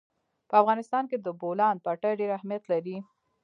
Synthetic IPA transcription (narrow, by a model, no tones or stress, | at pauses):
pəafɣɑnɪst̪ɑnked̪əbolɑn̚paʈaɖeɾahmijat̪laɾi